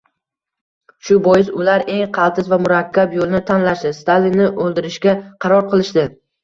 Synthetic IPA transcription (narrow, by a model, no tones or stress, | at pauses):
ʃʊbɒjɪzʊlaɾe̞ŋqʰɑlˠt̪ʰɪzvamʊɾakʲʰːapjolˠnɪt̪ʰanlaʃd̪ɪst̪alinːɪʔolˠd̪ɪɾɪʃɡʲaqʰɑɾɒɾqʰɨlˠɪʃd̪ɪ